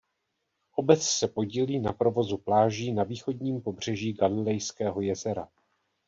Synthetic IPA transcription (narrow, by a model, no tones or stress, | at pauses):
ʔo̞bɛt͡ssɛpo̞ɟiliːnapɾo̞vo̞zuplaːʒiːnaviːxo̞dɲiːmpo̞br̝̥ɛʒiːɡalɪlɛjskɛːɦo̞jɛzɛɾa